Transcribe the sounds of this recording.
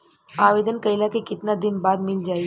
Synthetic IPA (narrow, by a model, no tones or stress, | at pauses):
aʋed̪ənkəilakekit̪nad̪inbad̪mild͡ʒaj